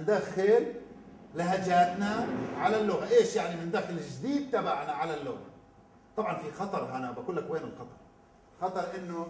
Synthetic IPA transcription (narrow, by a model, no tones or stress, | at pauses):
ɪnd̪axɪl | lɪɦad͡ʒaːt̪naʕalalːʊɣaʔeːʃjaʕnimɪnd̪axɪlɪʒd̪iːd̪̚t̪abaʕnaʕalalːʊɣa̰ | t̪ˤɑbʕɑnfixɑt̪ˤɑɾˤɦanabakʊlːakweːmɪnxɑt̪ˤɑɾˤ | xɑt̪ˤɑɾˤʔɪnːʊ